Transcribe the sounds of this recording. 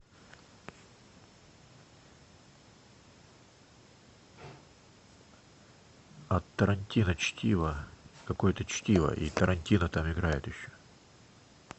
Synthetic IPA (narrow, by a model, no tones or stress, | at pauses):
ɐt̪ːəɾɐnʲtʲinət͡ɕtʲivəkɐkojt̪ət͡ɕtʲivə̰ʔḭt̪əɾʔɐnʲtʲinət̪amɪɡɾajɪt̪jɪɕːo̥